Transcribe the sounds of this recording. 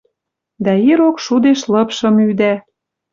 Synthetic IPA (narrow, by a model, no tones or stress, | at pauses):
d̪æiɾokʃud̪eʃlɤ̆pʃɤ̆myd̪æ